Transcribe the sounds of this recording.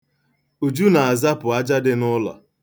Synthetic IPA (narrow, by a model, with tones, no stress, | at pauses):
u˨d͡ʒu˦na˨a˨za˦pʊ˨a˦d͡ʒa˦dɪ˦nʊ˦lɔ̰˨